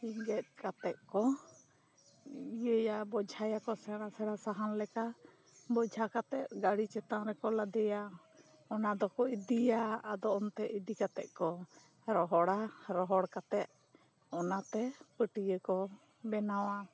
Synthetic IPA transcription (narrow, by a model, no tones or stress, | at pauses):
iŋɡɛt̪̚kat̪ɛʔ̪̚kɔ | ijəjabɔd͡ʒʱajakɔsɛɽasɛɽasaɦanlɛka | bɔd͡ʒʱakat̪ɛt̪̚ɡaɽit͡ʃɛt̪aŋɾɛkɔlad̪ɛja | ɔnad̪ɔkɔid̪ijaːd̪ɔɔnt̪ɛʔid̪ikat̪ɛ̰ʔ̪̚kɔ | ɾɔɦɔɽaɾɔɦɔɽkat̪ɛt̪̚ | ɔnat̪ɛpəʈijəkɔ | bɛnawa